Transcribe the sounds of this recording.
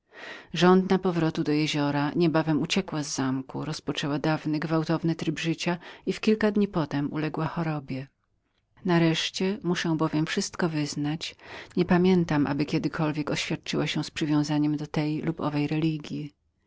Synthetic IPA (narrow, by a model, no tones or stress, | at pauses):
ʐɔnd̪napɔvɾɔt̪ud̪ɔjeʑɔɾaɲɛbavɛmut͡ɕɛkwazːamkṵɾɔspɔt͡ʂɛwad̪avnɘɡvawt̪ɔvnɘt̪ɾɘbʐɘt͡ɕaifkʲilkad̪ɲipɔt̪ɛmṵlɛɡwaxɔɾɔbʲjɛ | naɾɛʂt͡ɕɛmuʂɛ̃bɔvʲjɛmfʂɘst̪kɔvɘznat͡ɕɲɛpamʲjɛnt̪amʔa̰bɘkʲɛd̪ɘkʰɔlvʲjɛkɔɕfʲjat̪̚t͡ʂɘwaɕɛ̃spʂɨvʲjɔ̃w̃zaɲɛmd̪ɔt̪ɛjlupɔ̰vɛjɾɛlʲiɡʲji